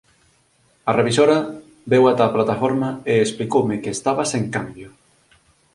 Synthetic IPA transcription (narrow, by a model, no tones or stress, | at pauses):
ɐreβ̞isoɾɐ | bewat̪aːplat̪afoɾmɐeesplikowmɪkeːst̪aβɐseŋkambjʊ